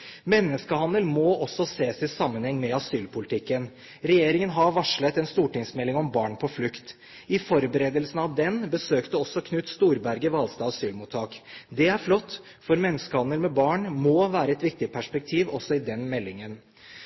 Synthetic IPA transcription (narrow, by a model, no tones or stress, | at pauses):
mɛnːəskəhɑnd̪əlmoːʔɔsːɔseːsɪsɑmːənhɛŋːmɛɑsyːlpʊlɪt̪ʰɪkːən | ɾɛjeːɾɪŋənɦɑɾʋɑʂlət̪ɛnst̪uːʈɪŋsmɛlːɪŋɔmbɑːɳpʰɔflʉkt̪ | ɪfɔɾbəɾeːd̪əlsn̩ɑʋd̪ɛnbəsøːkt̪əɔsːɔkʰnʉt̪st̪uːɾbæɾɡəʋɑlst̪ɑːsyːlmuːt̪ʰːɑːkd̪ɛæɾflɔt̪ː | fɔɾmɛnːəskəhɑnd̪əlmɛbɑːɳmoːʋæːɾəɛt̪ʋɪk̚t̪ɪpʰæʂpɛk̚t̪ʰiːʋɔsːɔɪd̪ɛnmɛlːɪŋən